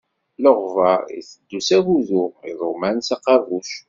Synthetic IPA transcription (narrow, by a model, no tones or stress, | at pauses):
ləʁvɑɾḭθəd̪ːusæɣuðʊiðˤomænsɑqɑvuʃ